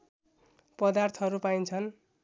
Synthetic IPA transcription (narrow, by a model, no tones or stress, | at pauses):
pʌd̪art̪ʰʌɦʌɾupajnt͡sʰʌn